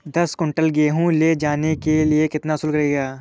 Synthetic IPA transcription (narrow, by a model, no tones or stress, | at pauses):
d̪ɐskʊ̃ɳʈəlɡeːɦũled͡ʒaːnekeliekɪt̪naɦʊsuːlkɐɾeːɡaː